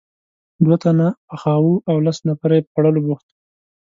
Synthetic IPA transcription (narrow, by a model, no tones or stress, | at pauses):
d̪wat̪anaaxɑwuʔawlasnafaɾjepaɽəloboxt̪u̥